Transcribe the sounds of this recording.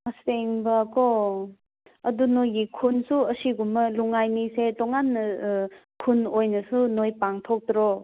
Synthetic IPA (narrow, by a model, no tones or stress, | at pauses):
asteŋbɐko | ɐdunojɡikʰunsuɐsiɡumːɐluŋajnisetɔŋanːɐ | kʰunojnɐsunojpaŋtʰok̚dɾo